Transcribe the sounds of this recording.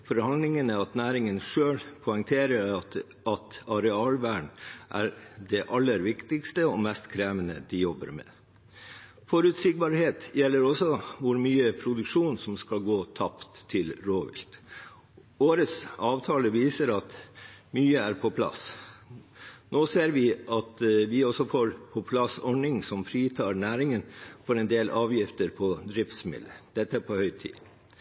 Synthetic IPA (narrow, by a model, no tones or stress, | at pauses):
fɔɾhɑnd̪lɪŋənəɑt̪næːɾɪŋənʂøːɭpʰɔɪŋt̪ʰeːɾəɾ | ɑt̪ɑɾɛɑːlʋæːɳʔæ̰ɾɖ̪ɛʔɑlːəɾʋɪkt̪ɪkst̪əɔmɛst̪kʰɾeːʋənə̰d̪ɪjɔbə̰ɾmɛ̰ː | fɔɾʉːt̪sɪɡ̚bɑɾheːt̪jɛlːəɾɔsɔʋʊɾmyːəpʰɾʊd̪ʉkʂuːnsɔmskɑlɡoːt̪ʰɑpt̪ʰːɪlɾoːʋɪ̰lt̪ | oːɾəsɑːʋt̪ʰɑːləʋiːsəɾɑt̪myːəæɾpʰɔpʰlɑ̰s | noːseːɾʋɪʔɑt̪ʋɪɔsɔfoːɾpʰɔpʰlɑsɔɳɪŋsɔmfɾiːt̪ʰɑːɾɳæːɾɪŋənfɔɾɛnd̪eːlʔɑːʋjɪft̪əɾpʰɔd̪ɾɪft̪smɪ̰lːəd̪̥ɛt̪ːəpʰɔhœʏt̪ʰḭː